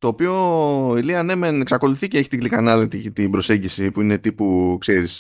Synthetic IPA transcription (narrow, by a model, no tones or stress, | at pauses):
t̪o̞ːpio̞iliɐne̞meneksɐko̞luθiceeçi̥t̪iɡlikɐnɐlɐt̪it̪ibɾo̞se̞ɲɟisipuine̞t̪ipukse̞ɾis